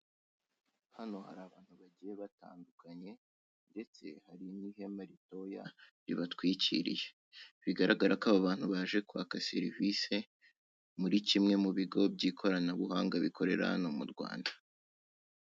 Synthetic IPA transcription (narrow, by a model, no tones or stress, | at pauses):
hano̞haɾaːβaːn̥huβaɟije̞βata̰ːndukaɲe̞ | nde̞t͡se̞̰haɾinihe̞maɾito̞ja̰ɾḭβatwiːcḭɾḭje | βiɡaɾaɡaɾakaβaβaːn̥huβaʒe̞kua̰kase̞̰ɾivise̞ | muɾicimŋe̞muβiɡo̞b̚ɟiːkʰo̞ɾanaβuɦaːŋɡaβikʰo̞ɾe̞̰ɾa̰nomuɾɡwa̰ːnda